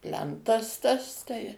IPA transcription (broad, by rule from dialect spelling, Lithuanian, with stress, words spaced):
ˈpʲlʲɛntɐs tɐs ˈtɐɪ